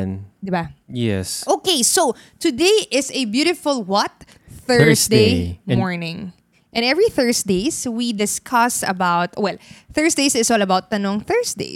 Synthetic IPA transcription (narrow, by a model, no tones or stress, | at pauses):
nd̪ɪbajɛ̰sʔokeɪsot̪ʊd̪eɪʔɪsɛbjuɾɪfʊlˠwʌt̪̚ | θɜsd̪emɔɹnɪ̃ŋ | ʔɛ̃nɛvɹiθɜ˞sd̪eɪswid̪ɪskʰʌsɐ̰baʊt̪̚wɛlθɜ˞sd̪eɪsɪsɔːlɐbaʊt̪̚ːɐnɔ̃ŋθɜ˞sd̪ḛɪ